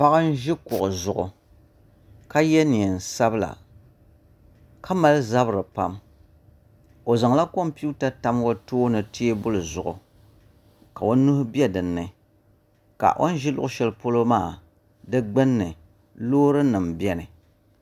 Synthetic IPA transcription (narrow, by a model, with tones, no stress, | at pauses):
pa˦ɣa˦n̩˦ʒɪ˦kʊ˨ʔʊ˨zʊ˨ʔʊ̰˨ | ka˦jɛ˦ni˨ɛ˨n̩˨sa˦bɨ˦la̰˨ | kʰa˦ma˦lza˦bɨ˦ɾɨ˨pa˦m | o˨za˨ŋla˦ko˦mpi˦u˦ta˦ta˦m˦ɡo˦toː˦nɨ˨ti˦e˦bʊ˦lɨ˨zʊ˨ʔʊ̰˨ | ka˨o˦nu˦hbi˦ɛ˦dɨ˨nːɨ˨ | ka̰˨ʔo̰˦n˦ʒɪ˦lʊ̰˦ʔʊ˦ʃɛ˦lɨ˦po˦lo˦maː˦˨ | dɨ˦ɡ͡bɨ˦nːɨ˨ | loː˦ɾɨ˦nɨ˨mbɛ˦nɨ˨